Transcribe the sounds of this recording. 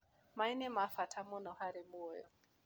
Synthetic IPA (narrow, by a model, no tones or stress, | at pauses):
mainɛmafatʰamɔnɔhaɾɛmuɔjɔ̰